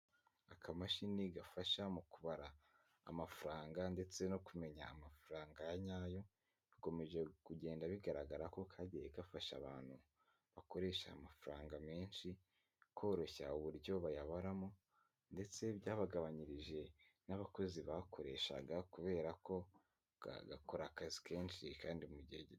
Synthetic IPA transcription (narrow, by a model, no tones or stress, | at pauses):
akʰamaʃiniɡafaʃamukuβaɾa̰ː | mafuɾaːŋɡande̞t͡se̞no̞kume̞ɲaːmafuɾaːŋɡajaɲaːjo̞ | βiko̞me̞ʒe̞kuɟe̞ːndaβiɡaɾaɡaɾako̞kʰaɟijekafaʃa̰βa̰ːn̥hu | βako̞ɾe̞ːʃa̰ːmafuɾaːŋɡame̞ːnʃi | kʰo̞ːɾoçauβuɾɟo̞βajaβaɾamo̞ | nde̞t͡se̞βjaːβaɡaβaɲiɾiʒe̞ | naβako̞ziβakʰoɾe̞ʃa̰ɡakuβe̞ːɾako̞̰ | ɡako̞ɾakazi̥kʰe̞ːnʃikaːndimuɟiheɟi